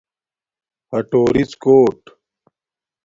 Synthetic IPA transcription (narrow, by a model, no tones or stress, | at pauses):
hɐʈoːɾit͡skoːʈ